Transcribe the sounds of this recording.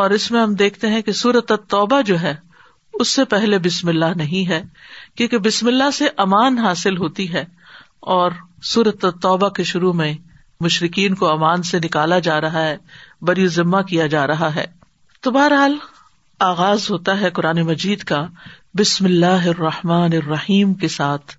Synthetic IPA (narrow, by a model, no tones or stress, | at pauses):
ɔːɾɪsmẽɦɐmd̪eːkʰt̪eɦɛ̃kesuːɾət̪at̪ːɔːbad͡ʒoːɦɛː | ʊsːepɛɦlebɪsmɪlːaɦnɐɦĩɦɛːkjõːkebɪsmɪlːaɦseʔɐmaːnɦaːsɪlɦoːt̪iɦɛ | ɔːɾsuːɾət̪at̪ːɔːbakeʃʊɾumẽ | mʊʃɾɪkiːnkoɐmaːnsenɪkaːlad͡ʒaːɾɐɦaɦɛbɐɾijozɪmːakijad͡ʒaːɾɐɦaɦɛ̰ː | t̪obaːɾɦaːl | aːɣaːzɦoːt̪aɦɛkʊɾaːnemɐd͡ʒiːd̪ka | bɪsmɪlːaːɦɪrːɐhmaːnɪrːɐhiːmkesaːt̪ʰ